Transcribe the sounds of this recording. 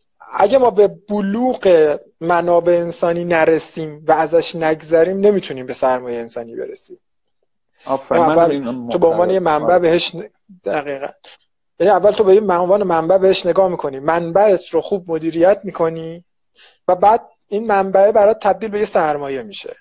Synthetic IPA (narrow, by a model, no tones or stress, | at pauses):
ʔæ̰ɟæmɒːbe̞b̥oluːɢe | mænɒːbe̞ːnsɒːniːnæɾesiːmvææzæʃnæɡzæɾiːmne̞miːt̪ʰuniːmbe̞sæɾmɒːjeensɒ̰ːniːbḛɾḛsiːm | iævːælt̪ʰobeonvɒːne̞jemæmbæbe̞heʃ | d̪̥æɣiːɣæ̰n | jæniævːælt̪ʰobejevɒːnemæmbæbeheʃne̞ɡɒːhmikʰo̞niːmænbæʔet̪ʰɾo̞xuːb̚mo̞d̪iːɾijæt̪ʰmiːkʰo̞niː | væbæːd̪̥̚ | iːnmæmbæebæɾɒːt̪̚t̪ʰæb̚d̪iːlbe̞jesæɾmɒːje̞miːʃe̞̰